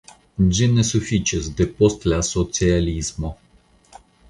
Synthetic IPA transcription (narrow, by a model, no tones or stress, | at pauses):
d͡ʒɛnɛsufit͡ʃɛsd̪ɛpɔst̪lasot̪sializmo